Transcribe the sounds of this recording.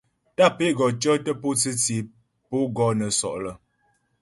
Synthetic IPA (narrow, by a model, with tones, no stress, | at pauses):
ta˦˨pe˦˨ɡɔ˨t͡ʃə˦tə˦po˦t͡si˦t͡si˨˦ | po˦ɡɔ˨˦nə˨sɔ̰˨ʔlə˨